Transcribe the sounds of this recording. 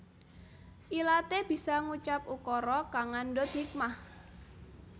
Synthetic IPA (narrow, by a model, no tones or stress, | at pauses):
ʔilat̪eb̥i̤saŋut͡ʃap̚ukɔɾɔkaŋandɔt̪d̪ik̚mah